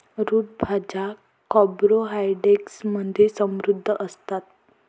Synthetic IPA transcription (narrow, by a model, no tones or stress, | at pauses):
ɾuːt̪̚bʱad͡ʑa | kɔbɾoɦajɖeksməd̪ʱesə̃mɾud̪ʱːəʔəst̪at̪